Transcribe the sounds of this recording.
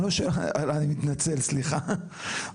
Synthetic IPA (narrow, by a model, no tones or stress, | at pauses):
loʃealanimit̪nat͡selsliχa